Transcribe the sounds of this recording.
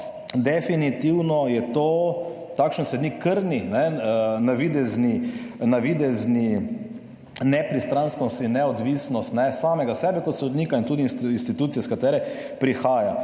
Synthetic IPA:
d̪ɛfinit̪iwnɔjɛt̪o | t̪akʃənsɛd̪nikʰːəɾninɛnaʋid̪ɛzninaʋid̪ɛzni | nɛpɾist̪ɾanskɔst̪inːɛɔd̪ʋiːsnɔst̪nɛsaːmɛɡasɛːbɛkɔt̪sɔd̪niːkaint̪uːd̪iːnsinst̪it̪uːt̪sijɛskat̪ɛːɾɛ | pɾixaːja

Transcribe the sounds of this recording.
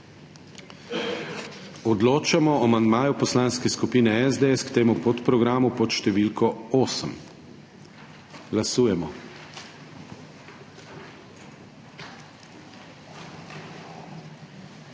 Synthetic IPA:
ɔd̪loːt͡ʃamɔɔmand̪maːjupɔslaːnskɛskupiːnɛɛzd̪eɛskt̪eːmupot̪pɾɔɡɾaːmupɔt̪ʃt̪ɛʋiːlkɔoːsəm | ɡlasuːjɛmɔ

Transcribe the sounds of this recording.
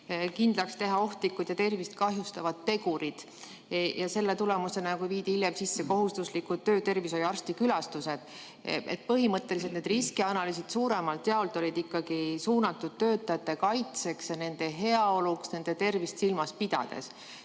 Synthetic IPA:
kind̪lɑkst̪e̞ɦɑo̞ht̪likːˑud̪̥jɑt̪e̞rvist̪̚kɑɦjust̪ɑvɑd̪̥ːe̞ɡuɾid̪̥ | jʔɑse̞lːe̞t̪ulemuse̞nɑkuviːd̪̥iiljemsisːe̞ko̞ɦust̪uslikud̪̚t̪ːø̞ːt̪e̞rviso̞jɑrst̪ikylɑst̪use̞d̪̥ | ḛt̪̚pɤɦimɤt̪ːe̞lis̬et̪ned̪riskiɑnɑlys̬id̪̥suːɾe̞mɑlt̪ːˑeɑolt̪ˑo̞lʲid̪̥ikːɑɡ̥isuːnɑt̪ːˑud̪̥̚t̪ø̞ːt̪ːˑɑjɑt̪ːˑe̞kɑjt̪se̞ksjɑne̞nd̪̥e̞ɦe̞ɑo̞luksne̞nd̪̥e̞t̪e̞rvist̪silmɑspid̪̥ɑ̰d̪̥e̞̰s

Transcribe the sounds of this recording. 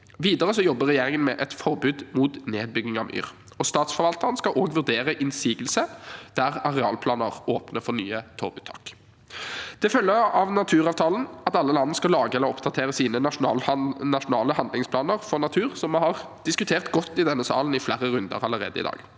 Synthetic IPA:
ʋiːd̪əʁəsɔjɔbːəʁɛjeːʁɪŋənmɛʔɛt̪fɔʁbʉːd̪muːt̪neːd̪̚bʏɡnɪŋɑ̰ʋʔy̰ːʁ | ɔst̪ɑːt̪sfɔɾʋɑlt̪əʁnskɑʔoːɡʋʉʁd̪eːʁəʔɪnsiːɡəlsəd̪̥æʁɑʁɛɑ̰ːlpʰlɑːnəʁoːpnəfɔʁny̰ːət̪ʰobʉːt̪ʰɑ̰ːk | d̪̥ɛfœlːəɑʋnɑt̪ʰʉːʁɑːʋt̪ʰɑːlən̩ɑt̪ɑlːəlɑnːskɑlɑːɡəɛlːəɾɔpd̪ɑt̪ʰeːʁəsiːnənʊnɑːlnɑʂʊnɑːləhɑnd̪lɪŋspʰlɑːnəʁfɔʁnɑt̪ʰʉːʁsɔmhɑʁ | d̪̥ɪskʉt̪ʰeːʁt̪ɡɔt̪ːɪd̪ɛnːəsɑ̰ːln̩ɪflæːʁəɾʉnd̪ə̰ʁɑləʁḛːd̪əɪ̰d̪ɑ̰ːɡ̥

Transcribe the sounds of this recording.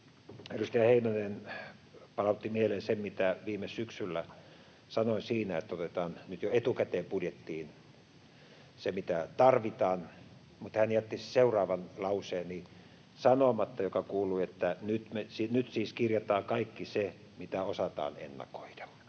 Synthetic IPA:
erust̪ɑjɑheinɑnen | pɑlɑut̪ːimielensemmit̪æʋiːmessyksylːæ | sɑnoinsiːnæet̪ːæot̪et̪ɑːnnyt̪joet̪ukæt̪eːmpudjet̪ːiːn | semit̪æt̪ɑrʋit̪ɑːn | mut̪hænjæt̪ːisseurɑːʋɑnlɑuseːnni | sɑnomɑt̪ːɑjokɑkuːlˑuiet̪ːænyt̪mesinyt̪siːskirjɑt̪ɑːkɑikːise | mit̪æosɑt̪ɑ̰ːnḛnːɑ̰ko̥id̥ɑ̥

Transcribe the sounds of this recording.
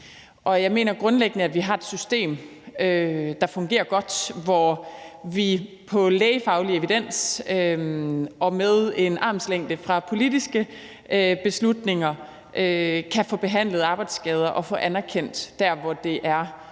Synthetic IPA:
ʔɒ̽jɑ̈ɪme̝̰ːnɐɡ̥ʁɔ̽nleɡ̥nəæʋiɦɑ̈e̝d̥sysd̥e̝̰ːmød̥ɑ̈fɔ̽ŋɡ̥e̝̰ːɐɡ̥ɒ̽d̥ʋɒ | ʋi | pʰɒ̽leːɪfɑ̈ʊlie̝ʋid̥en̰sø | ɒ̽meðˠe̝nʔɑ̈ːmsleŋ̰d̥əfʁɑ̈pʰo̝lid̥isɡ̥ə | øb̥e̝slud̥ne̝ŋɐ | ʔøkʰæfɔ̽ːb̥e̝ɦæn̰lð̩ˠɑ̈ːb̥ɑ̈ɪd̥sɡ̥ɛːð̞ˠɐʔɒ̽fɔ̰̽ːʔænæɐkʰen̰d̥d̥æɐʋɒd̥e̝ʔæɐ

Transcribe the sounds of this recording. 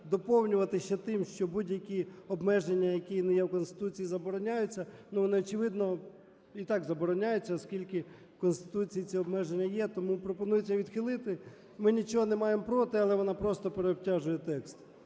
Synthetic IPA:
d̪ɔpɔwnʲʊʋɐt̪ɪʃt͡ʃɛt̪ɪmʃt͡ʃɔbudʲjɐkʲiɔbmɛʒenʲːɐjɐkʲinɪjɛwkɔnst̪ɪ̥t̪ut͡sʲijːzɐbɔɾɔnʲajʊt͡sʲːɐnuʋɔnɪɔt͡ʃɪʋɪd̪nɔ | it̪ɑɡzɐbɔɾɔnʲajʊt͡sʲːɐɔskʲilʲkɪ | kɔnst̪ɪ̥t̪ut͡sʲijit͡sʲiɔbmɛʒenʲːɐjɛt̪ɔmupɾɔpɔnujet͡sʲːɐʋʲid̪xɪlˠɪt̪ɪ | mɪnʲit͡ʃɔɦɔnemɑjempɾɔt̪ɪɐlˠɛʋɔnɑpɾɔst̪ɔpeɾeɔb̚tʲaʒʊjɛt̪ɛkst̪

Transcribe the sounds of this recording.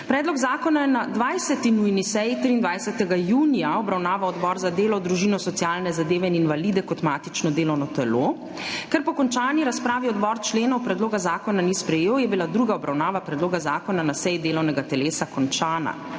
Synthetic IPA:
pɾɛːd̪lɔɡzaːkɔnajɛnad̪ʋajsɛt̪inujnisɛjit̪ɾiːnd̪ʋajsɛt̪ɛɡajuːnijaɔbɾawnaːʋaɔd̪bɔːɾzad̪eːlɔd̪ɾuʒiːnɔsɔt̪sijaːlnɛzad̪eːʋɛininʋalid̪ɛkɔt̪maːt̪it͡ʃnɔd̪eːlɔwnɔt̪ɛlo | kɛɾpɔkɔnt͡ʃaːniɾaspɾaːʋiɔd̪bɔːɾt͡ʃleːnɔwpɾɛd̪loːɡazaːkɔnanispɾɛjeːwjɛbilad̪ɾuɡaɔbɾawnaːʋapɾɛd̪loːɡazaːkɔnanasɛjid̪eːlɔwnɛɡat̪ɛleːsakɔnt͡ʃaːna̰

